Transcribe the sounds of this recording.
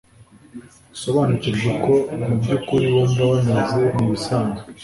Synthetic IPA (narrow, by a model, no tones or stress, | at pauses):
so̞βaːnuciɾʒekʰo̞mubɟukuɾiwondawanazemuβisaːnɡa